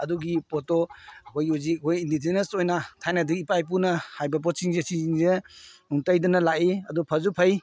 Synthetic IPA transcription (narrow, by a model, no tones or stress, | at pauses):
ɐduɡipɔtoɐkʰojuzikkʰojindid͡ʒenesojnatʰajnɐdɯkipajp̬unɐhajbɐp̬ɔt̚siŋzesiiŋzeuŋtajdɐnɐlaʔiɐdupʰɐzupʰɐj